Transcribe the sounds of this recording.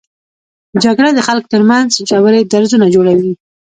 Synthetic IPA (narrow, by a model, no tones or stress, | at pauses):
d͡ʒaɡɽad̪əxalk̚t̪əɾmanzd͡ʒawəɾed̪aɾzunad͡ʒoɽawi